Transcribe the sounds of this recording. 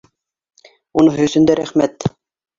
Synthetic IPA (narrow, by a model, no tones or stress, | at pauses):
unɤŋɦɵ̆sɵ̆nd̪æɾæχmæt̪